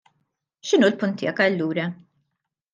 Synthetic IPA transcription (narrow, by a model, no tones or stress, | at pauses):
ʃɪnuːlpʊnt̪ːɪ̰ːɐkɐlːuːɾɐ